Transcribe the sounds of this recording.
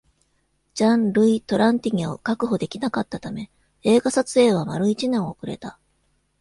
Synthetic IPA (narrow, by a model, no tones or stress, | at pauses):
d͡ʑãnɾɯ̟it̪o̞ɾʔãnt̪ʲiɲ̟io̰kakɯ̟ɦo̞d̪e̞kʲinakat̪ːat̪ame̞ | e̞ːɡasat͡sɨe̞ːβ̞amaɾɯ̟it͡ɕinẽ̞ɰ̃o̞kɯ̟ɾe̞̰t̪a